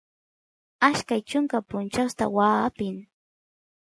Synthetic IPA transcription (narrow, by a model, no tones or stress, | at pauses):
aʃkajt͡ʃʊŋkapʊnt͡ʃawst̪a̰waːpɪŋ